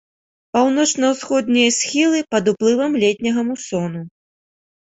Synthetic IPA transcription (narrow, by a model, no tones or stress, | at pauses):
pawnɔt͡ʂnɐwsxɔd̪nʲijɐsʲxʲilˠɨpɐd̪uplˠɨvɐmlʲɛt̪ʲnʲɐɣɐmusɔnu